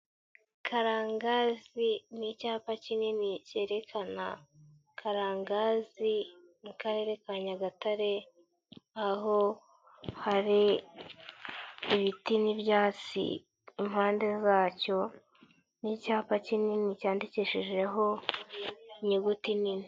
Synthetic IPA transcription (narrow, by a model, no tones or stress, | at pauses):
kʰaɾaːŋɡazinicaːpacininice̞ːɾe̞kʰana̰ | kʰaɾaːŋɡazi | mukaɾe̞ɾe̞kaɲaɡataɾe̞ | aho̞ | haɾi | βitiniβjaːt͡sḭ | imhaːnde̞zaːco̞ | nicaːpacininicaːndiciʃiʒe̞ɦo̞ | iɲiɡutinini